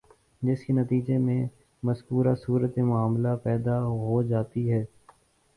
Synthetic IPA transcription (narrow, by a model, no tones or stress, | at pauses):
d͡ʒɪskenɐt̪iːd͡ʒemẽ | mɐskuːɾasuːɾət̪emʊaːmlapɛːd̪aɦod͡ʒaːt̪iɦɛː